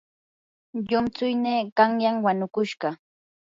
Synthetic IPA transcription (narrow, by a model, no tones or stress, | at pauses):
ʎʊmt͡sʊjneːkaŋjaŋwanʊkʊʃɢɑ